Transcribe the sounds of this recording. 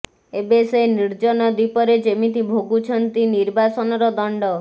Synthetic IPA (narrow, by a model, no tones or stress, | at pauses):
ebeseniɾd͡ʒɔnɔd̪ipɔɾed͡ʒemit̪ibʱoɡut͡ʃʰɔnt̪iniɾbasɔnɔɾɔd̪ɔɳɖɔ